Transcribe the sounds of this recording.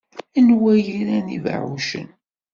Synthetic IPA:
ænwæjiɾænḭv̰ʕuʃə̰n

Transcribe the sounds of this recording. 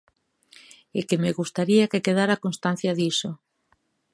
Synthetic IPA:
ekemeɣust̪aɾiakekeðaɾakonst̪an̟θjaðiso

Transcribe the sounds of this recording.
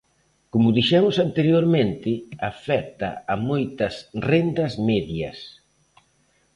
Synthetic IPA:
komʊðiʃɛmʊsant̪eɾjoɾmẽnt̪ɪafɛk̚t̪ɐ̰amojt̪ɐsrend̪ɐsmɛðjɐ̰s

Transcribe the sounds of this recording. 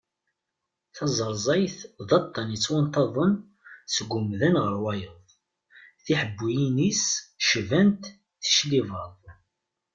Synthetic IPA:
θɑzˤəɾˤzˤɑjθðˤɑt̪ˤːɑnət͡sːwant̪ɑðˤən | səɡʷʊmðənʁəɾwɑjəðˤ | θiħəbːijinisʃvænt̪ | θə̥ʃlivɑðˤ

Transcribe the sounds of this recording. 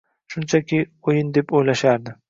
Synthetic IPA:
ʃʊnt͡ʃʰakʲʰiojɪnd̪epojlaʃaɾd̪ɪ

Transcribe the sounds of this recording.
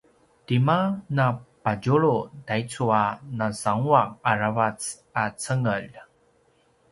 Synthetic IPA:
timanapaɟuɭudait͡suanasaŋuakaɾavat͡s | at͡səŋəʎ

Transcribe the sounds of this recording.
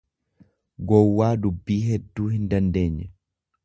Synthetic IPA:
ɡɔwːaːdubːiːɦedːuːhindandɛɲːɛ

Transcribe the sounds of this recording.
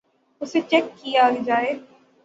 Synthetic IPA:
ʊset͡ʃɛkːijaɡd͡ʒaːeː

